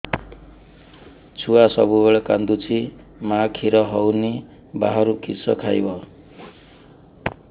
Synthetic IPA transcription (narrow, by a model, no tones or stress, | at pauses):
t͡sʰuwasʌ̰bubʌɭakand̪ut͡sʰi | makʰiɾʌɦʌwne | baɦʌɾukʰisʌkʰajbʌ